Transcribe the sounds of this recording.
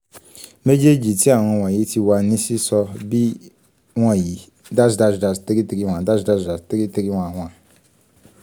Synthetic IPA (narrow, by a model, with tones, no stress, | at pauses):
me˦d͡ʒe˦d͡ʒi˨ti˦a˨w̃ɔ̃˨˦wã˨ji˨˦tʰi˦wa˨˦nĩ˦si˦sɔ˦bi˦ | wã˦˨ji˨ | da˦sda˦zda˨sti˦ɾi˦ti˨ɾi˦w̃ʷã˨da˦sda˦zda˨sti˦ɾi˦ti˦ɾi˦w̃ʷã˨wʷã˨